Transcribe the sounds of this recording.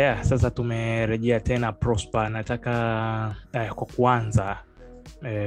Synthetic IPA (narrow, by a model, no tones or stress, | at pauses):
jasas̬atumɛɾɛʄɛatɛnapɾɔspanataka | ɛkwakuanza | ɛ